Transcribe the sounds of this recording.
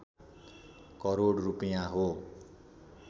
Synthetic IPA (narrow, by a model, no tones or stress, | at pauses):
kʌɾoɽrupijaɦo